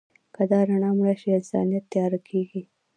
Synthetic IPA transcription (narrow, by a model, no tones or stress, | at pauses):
kad̪ɑɾaɳɑmɽaʃiɪnsɑ̰nijat̪ːajɑɾakʰeɡi